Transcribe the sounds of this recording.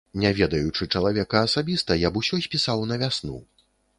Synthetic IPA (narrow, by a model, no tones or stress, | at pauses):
nʲavʲɛd̪ɐjut͡ʂɨt͡ʂɐlˠavʲɛkɐːsabʲist̪ɐjabusʲɔsʲpʲisawnɐvʲasnṵ